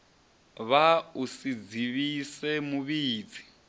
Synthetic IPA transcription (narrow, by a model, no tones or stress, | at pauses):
βausid͡ziβisɛmuβiːd͡zi